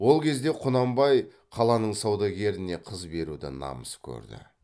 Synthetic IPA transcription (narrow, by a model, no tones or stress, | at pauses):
wo̞lˠkʲʰe̞zd̪e̞qʰʊnɑmbɑj | qʰɑlˠɑnəɴsɑwd̪ɑɡʲe̞ɾɪne̞qʰəzbe̞ɾud̪ɪ̰nɑ̰məskʲʰɵ̰ɾd̪ɪ̰